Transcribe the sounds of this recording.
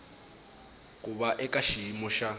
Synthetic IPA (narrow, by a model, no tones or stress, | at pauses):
kʼubaʔɛkʼaʃimɔʃa